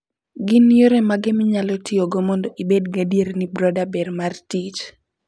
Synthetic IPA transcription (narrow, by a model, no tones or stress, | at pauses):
ɡɪnjoɾemaɡɪmɪɲalɔtɪoɡomɔndɔʔibedɡadieɾnɪbɾɔdabɛrmartit͡ʃ